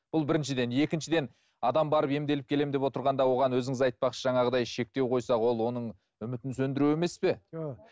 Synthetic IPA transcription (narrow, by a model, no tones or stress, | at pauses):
b̥ʊlˠbɪɾɪnʃɪd̪e̞ne̞kʲɪnʃɪd̪e̞n | ɑd̪ɑmbɑɾəpe̞md̪e̞lɪpkʲʰe̞le̞md̪epwot̪əɾʁɑnd̪ɑwo̞ʁɑnwɵzɪŋɪzɑjt̪̚pɑqʃəʒɑɴɑʁəd̪ɑjʃe̞k̚t̪e̞wqʰo̞jsɑwo̞lˠwo̞nəɴ | ʏmɪt̪ɪnsɵnd̪ɪɾue̞me̞spe̞